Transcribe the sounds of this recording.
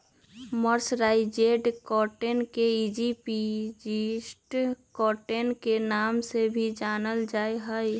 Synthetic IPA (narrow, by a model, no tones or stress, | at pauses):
məɾsɾaːid͡ʒeɖkɔʈenkeid͡ʒipid͡ʒisʈkɔːʈenkenaːmsebʱid͡ʒaːnəld͡ʒaːeɦəj